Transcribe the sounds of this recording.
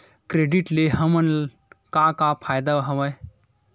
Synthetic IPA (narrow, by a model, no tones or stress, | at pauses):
kɾeːɖiʈleɦəmən | kakapʰaːjd̪aʋɦɐʋəj